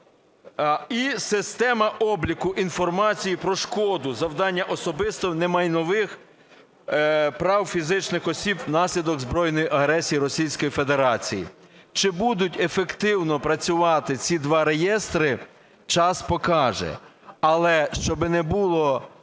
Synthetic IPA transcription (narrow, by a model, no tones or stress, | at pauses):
isɪst̪ɛmɐʔɔblʲikʊʔinfɔrmɑt͡sʲijipɾɔʃkɔd̪ʊzɐwd̪ɑnʲːɐʔɔsɔbɪst̪ɔwnɛmɑjnɔʋɪx | pɾɑwfʲizɪt͡ʃnɪxɔsʲibnɑsʲlʲid̪ɔɡzbɾɔjnɔjiʔɐɦɾɛsʲijiɾɔsʲijsʲkɔjife̞d̪e̞ɾɑt͡sʲijḭ | t͡ʃɪbud̪ʊtʲefekt̪ɪwnɔpɾɐt͡sʲʊʋɑt̪ɪt͡sʲid̪ʋɑɾejɛst̪ɾɪ | t͡ʃɑspɔkɑʒɛ̰ɐlˠɛʃt͡ʃɔbɪnɛbulˠɔ